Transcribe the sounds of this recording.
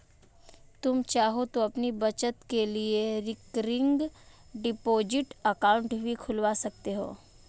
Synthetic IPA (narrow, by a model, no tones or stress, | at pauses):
t̪ʊmt͡ʃaːɦot̪oɐpnibɐt͡ʃət̪kelieɾɪkɾɪ̃ŋɡ | ɖɪpoːd͡ʒɪʈɐkãːʊ̃ɳʈbʱikʰʊlʋasɐk̚t̪eɦo̰ː